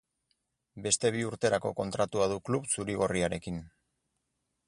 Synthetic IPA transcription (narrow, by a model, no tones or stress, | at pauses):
be̞st̪e̞β̞iuɾt̪e̞ɾako̞ko̞nt̪ɾat̪uað̞ukluβsuɾiɣo̞riaɾe̞kin